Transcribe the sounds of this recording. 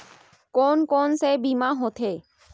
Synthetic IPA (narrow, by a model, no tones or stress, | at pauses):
koːnkoːnsebimãɦot̪ʰeː